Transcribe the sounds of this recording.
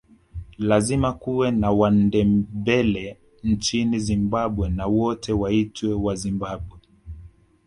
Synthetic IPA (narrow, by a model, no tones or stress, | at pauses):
lazimakuwɛnawandɛbɛlɛ | n̩t͡ʃinizimbaɓwɛnawɔtʰɛwaitwɛwazimbaɓwɛ